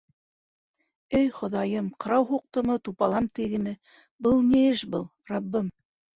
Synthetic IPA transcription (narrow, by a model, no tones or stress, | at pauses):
ɘjχŏðɑjɤmqɤ̆ɾɑwhuq̚t̪ŏnɤt̪upɑlˠɑmt̪iðɘ̆mɘ | bɤlˠniɘʃbɤlˠrɑbːɤm